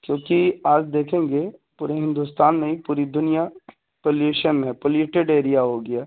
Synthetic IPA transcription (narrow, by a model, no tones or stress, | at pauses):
kjõːkiaːd͡ʒd̪eːkʰẽːŋɡepuːɾeɦɪ̃nd̪ust̪aːnmẽĩpuːɾid̪ʊnija | poljuːʃənmẽpoːljeːʈeɖeːɾijaɦoːɡɪjaː